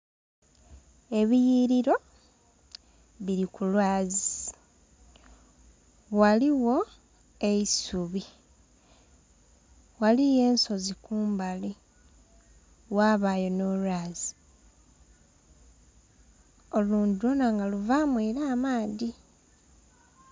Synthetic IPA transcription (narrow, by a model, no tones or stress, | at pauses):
e̞βijiɾiɾo̞ | βiɾikulwaːzi | waliwo̞ | e̞isuβi | walije̞ːnso̞zikuːmbali | waːβaːjo̞no̞lwaːzi | o̞luːndilonaŋɡaluvamweːɾaːmaːði